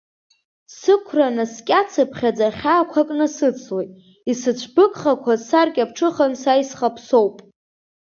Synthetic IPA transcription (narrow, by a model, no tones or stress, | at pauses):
sɨkʷʰranaskʲʼat͡sʰɨpʰχʲad͡zaχʲaːkʷʰakʼnɨsɨt͡sʰwejtʼ | isɨt͡ɕʷʰbɨkʼχakʷʰasarkʲʼap̚ʰʈ͡ʂʰɨχansajsχapʰso̞wpʼ